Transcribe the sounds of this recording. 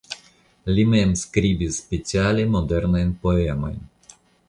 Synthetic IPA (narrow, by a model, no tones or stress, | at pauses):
lʲimɛɛmskɾiːbispʲet͡sʲialʲemɔd̪ɛɾnajnpoeamo̰jn